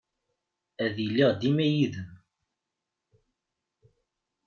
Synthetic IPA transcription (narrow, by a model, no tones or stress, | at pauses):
æðjəlːiʁd̪imæjiðəm